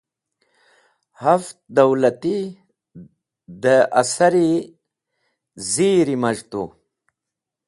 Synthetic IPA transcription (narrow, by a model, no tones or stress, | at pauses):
hɐft̪̚d̪ɐwlɐt̪i | d̪əʔɐsɐɾi | ziːɾimɐʐt̪u